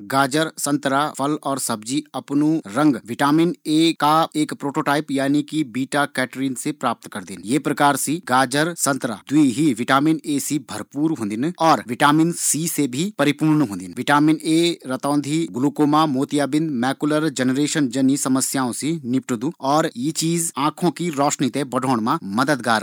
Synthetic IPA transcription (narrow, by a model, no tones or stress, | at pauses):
ɡaːd͡ʒəɾsə̃nt̪ɾapʰəlɔːɾsəb̚d͡ʒiɐpnũɾə̃ŋɡʋɪʈaːmɪneːkaeːkpɾoːʈoːʈaːɪpjaːnikibiːʈakɛːʈɾiːnsepɾaːp̚t̪kəɾd̪ɪnjeːpɾəkaːɾsiɡaːd͡ʒəɾsə̃nt̪ɾa̰ːd̪ʊiɦiʋɪʈaːmɪneːsibʱəɾpuːɾɦõːnd̪ɪnɔːɾʋɪʈaːmɪnsiːsebʱipɐɾɪpuːɾnɦõːnd̪ɪnʋɪʈaːmɪneːɾɐt̪ɔ̃ːnd̪ʱiɡʊlukoːmamoːt̪ijaːbɪ̃nd̪mɛːkuləɾd͡ʒənɾeːʃənd͡ʒɐnisɐməsjaːõsinɪpʈud̪ũɔːɾjit͡ʃiːzãːkʰõkiɾɔːʃnit̪ẽbɐɖʱoːɽmãmɐd̪əd̪ɡaːɾ